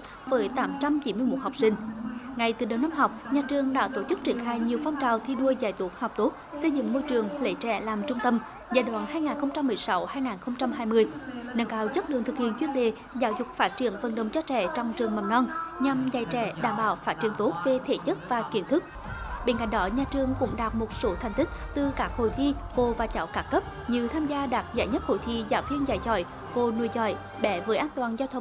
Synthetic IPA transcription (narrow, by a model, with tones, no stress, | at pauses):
vəː˨˦jt̪aː˨˦mt͡ɕa˧mt͡ɕi˧˦nmɨ˧jmo˨˩t̚ha˨˩wk͡p̚sï˧ŋ̟ŋa˨˩jt̪ɨ˨˩ɗə˨˦naː˧mɦa˨˩wk͡p̚ɲaː˨˩t͡ɕɨ˨˩əŋɗa̰ː˧˥t̪o˧˩t͡ɕɨ˦˥k̚t͡ɕi˧˩ənxaː˧jɲi˨˩əwfa˧wŋ͡mt͡ɕaː˨˩wt̪ʰi˧ɗu˧əzaː˧˩jt̪u˨˦˥ək̚ha˨˩k͡p̚t̪o˦˥t̚sə˧jzɨ̰˧˨ŋmo˧jt͡ɕɨ˨˩əŋlḛ˧˨˦jt͡ɕɛ̰˧˩laː˨˩mt͡ɕʊ˧ŋ͡mt̪ə˧m | zaː˧˩jɗwa̰ː˧˨nɦaː˧jŋaː˨˩nxə˧wŋ͡mt͡ɕa˧mːɨ˨˩əjsa˨˦whaː˧jŋaː˨˩nxə˧wŋ͡mt͡ɕa˧mɦaː˧jmɨ˧əjnəː˧ŋkaː˧˩wzə˦˥t̚ɗɨ̰˧˨əŋt̪ʰɨ˨˩k̚hḭ˧˨ənt͡ɕwi˧ənɗe˨˩ | zaː˨˦wzʊ˨˩k͡p̚faː˦˥t̚t͡ɕḭ˧˩ənvə˨˩nɗə˨˩wŋ͡mt͡ɕɔ˧t͡ɕɛ̰˧˩t͡ɕɔ˧wŋ͡mt͡ɕɨ˨˩əŋmə˨˩nnɔ˧nɲa˧˩mza˧˩jt͡ɕɛ̰˧˩˦ɗa̰ː˧˩mɓaː˧˩wfaː˦˥t̚t͡ɕḭ˧˩əŋt̪o˨˦˥t̚ve˨˩t̪ʰe˧˩t͡ɕə˦˥t̚vaː˨˩ki˨˧˦ənt̪ʰɨ˦˥k̚ | ɓe˧˥nka̰˧˨jŋ̟ɗɔ˨˦ɲaː˨˧˩t͡ɕɨ˨˩əŋkʊ̰˧˥ŋ͡mɗaː˨˩t̚mo˨˩t̚so˨˦t̪ʰɛ˨˩jŋ̟t̪ï˦˥k̟̚t̪ɨ˨˩kaː˦˥k̚ho̰˧˩˨jt̪ʰi˧vo˨˩vaː˨˩t͡ɕaː˨˦wkaː˨˦˥kə˦˥p̚ | ɲi˨əwt̪ʰaː˧mzaː˧ɗaː˨˩t̚za̰ː˧˩jɲə˦˥t̚ho̰˧˩jt̪ʰi˧zaː˧˨˦wt̪ʰi˧ənzaː˧˩jzɔ̰˧˩j | vo˨˩nṵ˧˩əjzɔ̰˧˩j | ɓɛ˧˩˦vəː˨˦jʔaː˧nt̪waː˨˩nzaː˧wt̪ʰə˧˩ŋ͡m